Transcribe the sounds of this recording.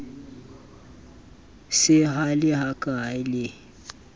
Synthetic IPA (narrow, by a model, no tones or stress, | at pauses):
sɪɦalɪhakʼaɪlɪ